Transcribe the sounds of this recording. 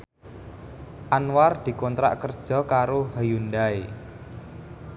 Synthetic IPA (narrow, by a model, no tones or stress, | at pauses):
ʔanward̪̥i̤kɔnt̪ɾa̰ʔkərd̥ʒ̥ɔ̤kaɾohajund̪ae